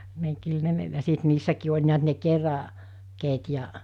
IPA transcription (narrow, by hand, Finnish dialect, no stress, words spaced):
ni kyl ne jɑ sit niːsːækiː olʲ niæt ne kerɑ keːt jɑ